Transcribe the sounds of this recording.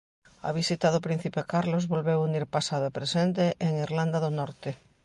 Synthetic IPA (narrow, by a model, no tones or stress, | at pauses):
a̰βisit̪aðʊpɾĩn̟θipekaɾlozβolβewuniɾpasaðʊepɾesent̪eʔeŋiɾland̪aðʊnɔɾt̪ɪ